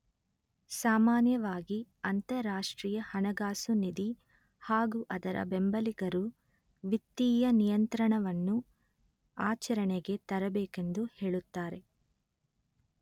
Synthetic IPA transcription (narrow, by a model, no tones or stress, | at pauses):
saːmaːnjɐʋaːɡiɐnt̪ɐɾaːʂʈɾiːjɐhɐnɐɡaːsunid̪i | haːɡuʔɐd̪ɐɾɐ̰bembɐliɡɐɾu | ʋit̪ːiːjɐnijɐnt̪ɾɐɳɐʋɐnːu | aːt͡ʃɐɾɐɳeɡe̞t̪ɐɾɐbeːke̞nd̪uhe̞ːɭut̪ːaːɾe̞